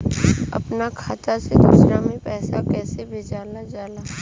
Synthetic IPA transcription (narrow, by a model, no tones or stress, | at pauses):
ɐ̰pnakʰaːt̪ased̪ṵːsɾamẽpɛːsakɛːsebʱɪd͡ʒaːlad͡ʒaːlaː